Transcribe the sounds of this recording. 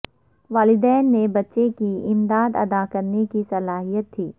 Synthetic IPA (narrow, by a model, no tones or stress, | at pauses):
ʋaːlɪd̪ɛːnːebɐtːʃekiɪmd̪aːd̪ɐ̰d̪akɐɾnekisɐlaːɦijət̪ʰːiː